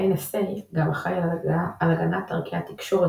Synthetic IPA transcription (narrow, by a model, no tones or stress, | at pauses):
ejnaseɡamaχajalalaɡanat̪ːaʁkijat̪ikʃo̞ʁe